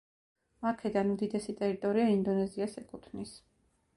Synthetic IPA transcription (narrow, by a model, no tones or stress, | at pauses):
aɾkʰɛd̪anmd̪id̪ɛsit̪ʼɛɾit̪ʼɔɾiaind̪ɔnɛziasɛkʼut̪ʰvnis